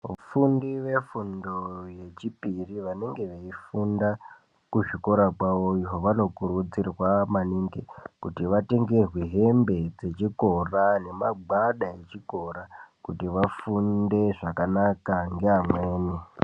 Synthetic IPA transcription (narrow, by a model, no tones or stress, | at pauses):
ʋufundiʋe̞fundoje̞t͡ʃipiriʋane̞ŋɡe̞ʋeifunda | kuʐiko̞ɾakwaʋoiɦo̞ʋano̞kuɾud͡zirwamaniŋɡekutiʋate̞ŋɡe̞rweɦe̞mbe̞d͡ze̞t͡ʃiko̞rane̞maɡ͡baɗaet͡ʃiko̞ɾakutiʋafunde̞ʐakanakaŋɡe̞amwe̞ːne